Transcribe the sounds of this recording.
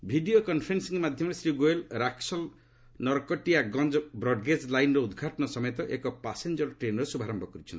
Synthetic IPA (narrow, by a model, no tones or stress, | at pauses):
bʱiɖiokɔnpʰɔɾensiŋmad̪ʱjɔmɾesɾiɡoelɾaksɔl | nɔɾkɔʈiaɡɔnd͡ʒɔbɾɔɖɡeslajnɾɔud̪ɡʱaʈɔnɔsɔmɔjet̪ɔʔekɔpasend͡ʒɔɾʈɾenɔɾesubʱaɾɔmbʱɔkɔɾit͡ʃʰɔnt̪i̥